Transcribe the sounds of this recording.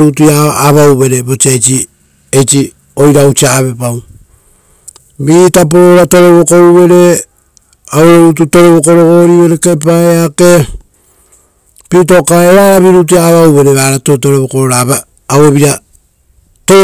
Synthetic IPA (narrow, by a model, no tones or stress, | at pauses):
ɾutuaːβawβe̞ɾeβo̞t͡ʃiet͡ʃi | ejt͡ʃi | o̞jɾaut͡ʃiaβe̞paw | βitap̬oɾoɾato̞ɾe̞βoko̞uβe̞ɾe̞ | awɾoɾut̬uto̞ɾe̞βoko̞ɾo̞ɡo̞ɾiβe̞ɾeke̞p̬aeake̞ | pit̬o̞kaeɾaɾaβiɾut̬uaβawβe̞ɾe̞βaɾatoto̞ɾeβokoɾoɾaβaː | weβiɾa | to